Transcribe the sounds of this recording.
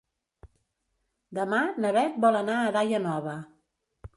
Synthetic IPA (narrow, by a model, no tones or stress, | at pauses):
d̪əmanəβɛt̪̚bɔlənaəðajənɔβə